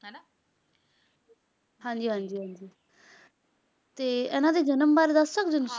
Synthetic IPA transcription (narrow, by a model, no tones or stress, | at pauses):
ɦãːɲd͡ʒiːɦãːɲd͡ʒiːɦãːɲd͡ʒiː | t̪eːɛːnãːd̪eːd͡ʒənəmbaːɾeːd̪əsːəkd͡ʒənə